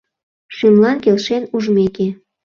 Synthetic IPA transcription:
ʃymlɑnkelʃenuʒmeke

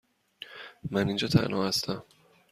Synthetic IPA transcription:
mænind͡ʒɒːt̪ʰæ̰nhɒ̰ːhæst̪æm

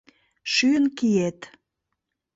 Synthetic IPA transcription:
ʃyənkiet̪

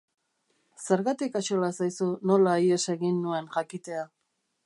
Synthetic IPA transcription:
se̞ɾɣat̪ikaʃolasajsuno̞laje̞se̞ɣinːue̞nʝakit̪e̞a

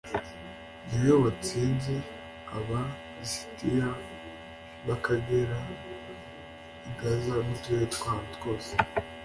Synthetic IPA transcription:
nijoβat͡siːnze | aβa | isi̥tija | βakaɡeɾa | iɡazanutueetkantkoːse̥

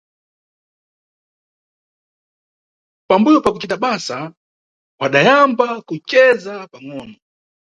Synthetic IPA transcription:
pambujɔpakut͡ʃitaɓasa | waɗajambakut͡ʃɛzapaŋɔːnɔ

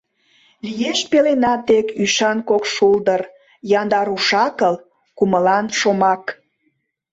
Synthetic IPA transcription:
lijeʃpelenɑt̪ekyʃɑnkokʃuld̪ər | jɑnd̪ɑɾuʃɑkəl | kuməlɑnʃomɑk

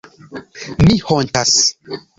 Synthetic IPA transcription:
mihontas

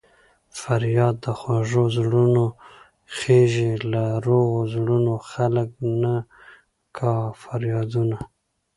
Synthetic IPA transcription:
faɾjɑd̪ːəxwaʒozɽuno | xeʒelaɾoɣozɽunoxalək̚na | kʰɑfaɾjɑd̪una

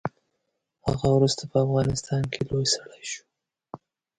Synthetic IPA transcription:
ha̰ɣawɾust̪apəafɣɑnɪst̪ɑnkʰelojsaɽajʃu̥

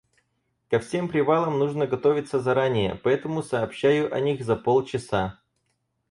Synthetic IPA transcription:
kɐfsʲe̞mpɾʲɪvalˠəmnuʐnəɡɐt̪o̞vʲɪt̪səzɐɾanʲɪjə̰pɐɛt̪əmʊsɐːpɕːæjʊʔɐ̰nʲixzɐpolˠt͡ɕɪsa

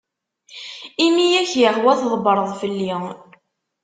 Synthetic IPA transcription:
imijæçjəʁwæθðˤbəɾˤəðˤfəlːi

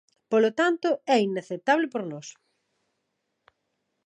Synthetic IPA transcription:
polot̪ant̪ʊɛinaθet̪aβlepoɾnɔs

